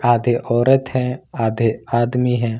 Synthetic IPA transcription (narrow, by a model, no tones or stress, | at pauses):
aːd̪ʱeːʔɔːɾət̪ɦɛ̃ːaːd̪ʱeːaːd̪miːɦɛ̃ː